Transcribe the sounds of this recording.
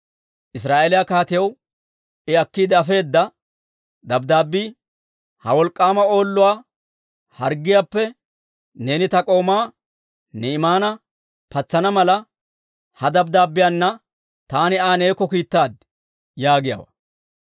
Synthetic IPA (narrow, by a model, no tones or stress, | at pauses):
ʔɪs̬ɾaːʔeːlɪjakaːt̪ɪjɐw | ɪɐkːiːd̪ɛɐfe̞ːd̪ːɐ | d̪ɐbd̪aːbːi | hɐwɔlkʼːaːmɐo̞ːlːʊwaː | hɐɾɡːɪjaːpːɛ | ne̞ːnɪt̪ɐkʼo̞ːmaː | nɛɪmaːnɐ | pɐt͡sːɐnɐmɐlɐ | hɐd̪ɐb̚d̪aːbːɪjanːɐ | t̪aːnɪaːne̞ːkːɔkiːt̪ːaːd̪̚ | jaːɡɪja̰ːwɐ̰